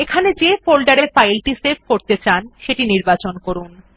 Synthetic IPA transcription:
ekʰaned͡ʑefolɖaɾefajlʈiseb̚koɾt̪et͡ɕanʃeʈiniɾbat͡ɕonkoɾun

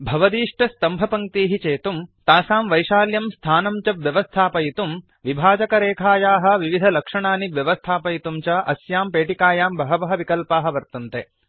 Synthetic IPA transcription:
bʱɐʋɐd̪iːʂʈɐst̪ɐmbʱɐpɐŋkt̪iːɦit͡ʃeːt̪umt̪aːsaːmʋɐjʂaːljɐmst̪ʰaːnɐmt͡ʃɐbʋjɐʋɐst̪ʰaːpɐjit̪um | ʋibʱaːd͡ʒɐkɐɾeːkʰaːjaːɦɐ̆ʋiʋid̪ʱɐlɐkʂɐɳaːniʋjɐʋɐst̪ʰaːpɐjit̪umt͡ʃɐʔɐsjaːmpeːʈikaːjaːmbɐɦɐbɐɦɐʋikɐlpaːɦɐ̆ʋɐɾt̪unt̪e

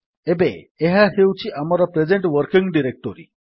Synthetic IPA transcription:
ebeː | ɦahewt͡ʃʰiʔamɔɾɔpɾed͡ʒeɳʈʋəɾkiŋɡɖiɾek̚ʈɔɾḭ

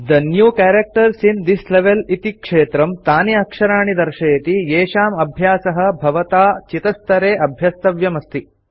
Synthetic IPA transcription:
d̪ɐnjuːkaːɾɐk̚ʈɐɾsind̪isleʋelit̪ikʂeːt̪ɾɐmt̪aːniɐkʂɐɾaːɳid̪ɐɾʃɐjɐt̪ieːʃaːmɐbʱjaːsɐɦɐ̆bʱɐʋɐt̪aːt͡ʃit̪ɐst̪ɐɾeːʔɐbʱjɐst̪ɐʋjɐmɐst̪i

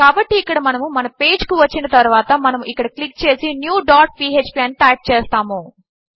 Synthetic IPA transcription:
kaːbɐʈːiːkːɐɽɐmɐnɐmumɐnɐpe̞ːd͡ʒkuʋɐt͡ʃːinɐt̪ɐɾuʋaːt̪ɐmɐnɐmuʔikːɐɽɐklikːt͡ʃe̞ːsinjuːɖaːʈ̚piːeːt͡ʃpiɛnʈ̪aːk̚t͡ʃɛːst̪aːmu

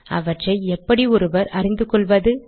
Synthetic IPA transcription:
ɐ̰ʋɐʈrɐɪɛpːɐɽiɔɾɯʋɐɾɐɾɪnd̪ɯkɔɭʋɐðɯ

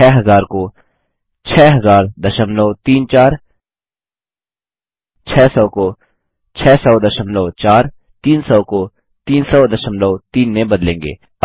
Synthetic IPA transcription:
ɛːɦɐzaːɾko | t͡ʃʰɛːɦɐzaːɾd̪ɐʃəmlɔːt̪iːnt͡ʃaːɾ | t͡ʃʰɛːsɔːko | t͡ʃʰɛːsɔːd̪ɐʃəmlɔːt͡ʃaːɾ | t̪iːnsɔːko | t̪iːnsɔːd̪ɐʃəmlɔːt̪iːnːẽbɐd̪lẽːŋɡḛː | ɐ

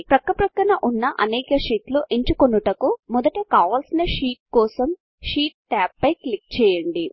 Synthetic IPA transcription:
pɾɐkːɐpɾɐkːɐnɐʔunːɐʔɐnɛːkɐʂiːʈluʔeɲt͡ʃukonːuʈɐkumɔd̪ɐʈekaːʋaːlsinɐʃiːʈ̚kɔːsɐm | ʃiːʈ̚ʈaːpːɐjklik̚t͡ʃɛːjɐɳɖi

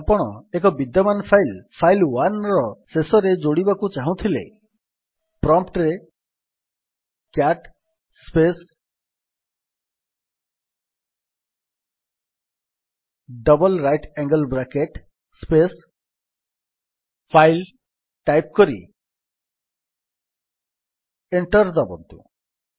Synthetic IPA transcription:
apɔɽ̃ɔek̬ɔbid̪jɔmanpʰajlpʰajlwanɾɔsesɔɾed͡ʒoɽibakut͡ʃaɦũt̪ʰilḛ | pɾɔmpʈɾe | kjaʈ | spes | ɖɔbɔlɾajʈɛŋɡəlbɾakeʈ | spes | pʰajl | ʈajp̚kɔɾḭ | eɳʈɔɾd̪ɔbɔ̰nt̪ṵ

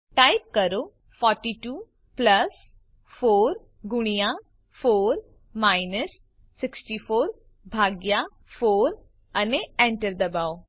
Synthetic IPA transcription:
ʈaːip̚kəɾoː | pʰɔːɾʈiːʈuː | pləs | fʰoːɾ | ɡʊɽ̃ijãː | pʰoːɾ | maːinəsː | ɪksʈiːpʰoːɾ | bʱaːɡjaː | fʰoːɾ | əneɛ̃ːɳʈəɾd̪əbaːoː

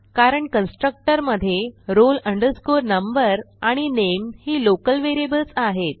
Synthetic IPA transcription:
kaɾəɳkənsʈɾək̚ʈəɾməd̪ʱːjeɾoləɳɖəɾskuɾnəmbəɾ | aɽ̃inemhiːlokəlʋeɾiebəlt͡saɦet̪̚

